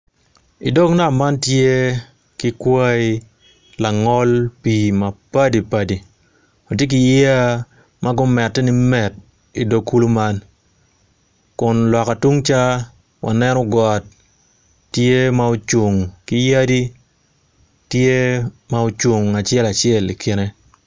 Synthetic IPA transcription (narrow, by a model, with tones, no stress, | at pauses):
ḭ˨do˦kna˦˨ma˦ntje˦ | kɪ˦kwa˦i˦ | la˨ŋɔ˦lpi˨ma˨pa˦di˨pa˨di˨ | o˨tje˦k̬i˨ji˦a˦ | mʔa˦ɡʊ˦mɛ˨tːɛ˦nɪ˦mɛ˨t̚ | i˨do˨kʰːu˦lo˦ma˦n | kʊ˨nlɔ˨ka˨tu˦ŋt͡ʃa˦ | wʔa̰˨nɛ˦nɔ˦ɡɔ˨tː | je˦mao˦t͡ʃʊ˨ŋkɪ˦ja˦di˦ | tje˦ma˦o˦t͡ʃʊ˨ŋa˨t͡ʃɪɛ˦la˨t͡ʃɪɛ˦˨li˨kʰɪ˦nɛ˦